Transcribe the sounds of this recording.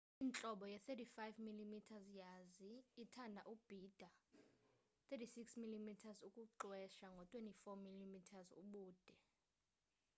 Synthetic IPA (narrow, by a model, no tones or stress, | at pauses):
int͡ɬʼɔɓɔjɛθetʰifajvmilimitʰazjaziːtʰandʱaʔub̥ʱiːd̥ʱa | θʰetisiksmilimitʰazukʼuǃwɛʃaŋɡʱɔtʼwentʼifɔmilimitʰazṵɓuːd̥ʱɛ